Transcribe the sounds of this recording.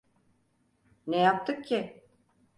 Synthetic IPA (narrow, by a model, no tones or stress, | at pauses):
nejap̚t̪ʰɯkcʰːi